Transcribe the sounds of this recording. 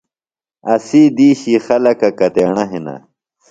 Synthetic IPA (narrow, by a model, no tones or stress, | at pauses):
ɐsiːd̪iːɕixɐlɐkɐkɐt̪eːɳɐɦinɐ̰